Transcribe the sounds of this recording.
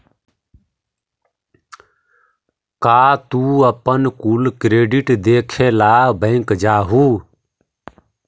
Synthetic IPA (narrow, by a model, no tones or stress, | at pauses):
kaːt̪uːəpənkulkɾeːɖɪʈd̪eːkʰeːlaːbə̃ɪ̃kd͡ʒaːɦuː